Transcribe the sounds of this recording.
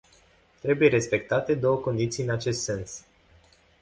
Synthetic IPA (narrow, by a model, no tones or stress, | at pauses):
t̪ɾe̞buje̞ɾe̞spe̞k̚t̪at̪e̞d̪o̞wəko̞nd̪it̪sijɨnat͡ʃe̞st̪se̞ns